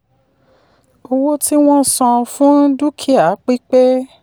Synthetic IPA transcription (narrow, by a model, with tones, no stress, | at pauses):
o˧wo˦ti˦w̃ɔ̃˦˨sɔ̃˧fũ˦n̩˦du˦kʰi˦a˨˦k͡pi˦k͡pe˦